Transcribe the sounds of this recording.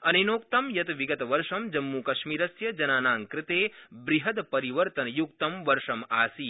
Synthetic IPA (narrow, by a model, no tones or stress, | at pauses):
ɐnenoːkt̪ɐmjɐt̪ʋiɡɐt̪ɐʋɐɾʂɐmd͡ʒɐmːukɐʃmiːɾɐsjɐd͡ʒɐnaːnaːŋkɾɪt̪eːbɾiɦɐd̪pɐɾiʋɐɾt̪ɐnɐjukt̪ɐmʋɐɾʂɐmaːsi